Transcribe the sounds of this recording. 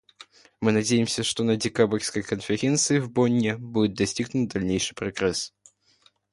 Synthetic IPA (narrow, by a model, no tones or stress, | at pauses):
mɨnɐdʲejɪmsʲəʂt̪o̞nədʲɪkabərʲsʲkəjkənfʲɪɾʲent̪sɨɪvbonʲːɪbudʲɪt̪̚d̪ɐsʲtʲiɡnʊt̪̚d̪ɐlʲnʲejʂɨjpɾɐɡɾɛs